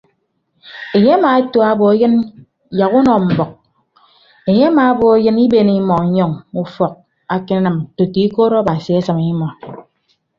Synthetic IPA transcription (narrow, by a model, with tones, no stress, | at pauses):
e˨ɲe˦a˦maː˨˦to˦a˦bo˨e˦jɨ˦n | ja˨ɣu˦nɔ˨m̩˨bɔ˨k̚ | e˨ɲe˦a˦maː˨a˦bo˨e˦jɨ˦ni˦be˦˨ni˦mɔ˨˦ɲɔ˦ŋu˦fɔ˨k̚ | a˨ke˦na˦nɨ˨m˨to˨ti˨˦i˦ko˦ɾɔ˦ba˨si˨e˦sɨ˨mi˦mɔ˨